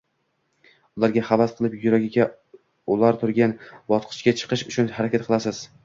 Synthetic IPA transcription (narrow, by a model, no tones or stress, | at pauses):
ʊlˠaɾɡʲaχavasqʰɨlˠɪpjʊɾaɡʲɪɡʲa | ʊlaɾt̪ʰʊɾɡʲanbɒt̪qʰɨ̥ʃkʲat͡ʃʰɨ̥qɨʃʊt͡ʃʰʊnhaɾakʲat̪̚qʰɨlˠasɪz̥